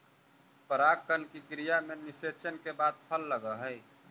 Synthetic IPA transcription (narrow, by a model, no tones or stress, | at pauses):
pəɾaːkkənkikɾijamenɪset͡ʃənkebaːd̪̚pʰəlːəɡəɦəj